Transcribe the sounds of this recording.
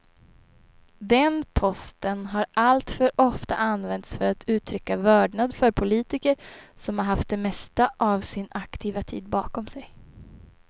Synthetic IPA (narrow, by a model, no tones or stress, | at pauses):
d̪ɛnpʰɔst̪ənɦaɾʔalt̪fœɾɔft̪a̰ʔanvɛnt̪sfœɾat̪ʰʉ̟ːt̪ʰɾʏkːavœːɖɳad̪fœɾpʰʊliːt̪ɪkəɾsɔmhaɾɦaft̪̚d̪ɛmɛst̪aʔavsɪnakt̪ʰiːvat̪ʰḭːd̪̚bɑːkɔmsɛj